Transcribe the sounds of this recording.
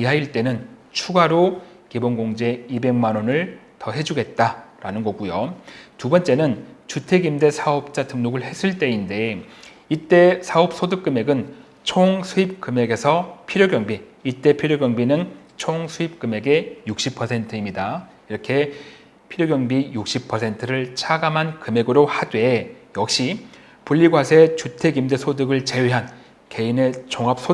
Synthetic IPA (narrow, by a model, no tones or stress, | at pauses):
iɦaiɭt͈e̞nɯnt͡ɕʰuɡaɾo | kibonɡoŋd͡ʑe̞ibe̞ŋmanonɯɭ | tʌɦe̞d͡ʑuɡe̞t̚t͈aɾanɯnɡʌɡujotubʌnt͡ɕ͈e̞nɯnt͡ɕutʰe̞ɡimde̞sʰaʌp̚t͡ɕ͈atɯmnoɡɯɭhe̞s͈ʰɯɭt͈e̞inde̞ | it͈e̞sʰaop̚s͈ʰodɯk͈ɯme̞ɡɯn | t͡ɕʰoŋsʰuip̚k͈ɯme̞ɡe̞sʰʌpʰiɾjoɡjʌŋbiː | t͈e̞pʰiɾjoɡjʌŋbinɯnt͡ɕʰoŋsʰuip̚k͈ɯme̞ɡe̞juk̚ɕ͈ipʰʌsʰe̞ntʰɯimɲida | iɾʌkʰe̞ | pʰiɾjoɡjʌŋbijuk̚ɕ͈ipʰʌsʰe̞ntʰɯɾɯɭt͡ɕʰaɡamɦankɯme̞ɡɯɾohadwe̞jʌk̚ɕ͈i | puʎːiɡwasʰe̞t͡ɕutʰe̞ɡimdesʰodɯɡɯɭt͡ɕe̞weɦan | ke̞ine̞t͡ɕoŋap̚s͈ʰo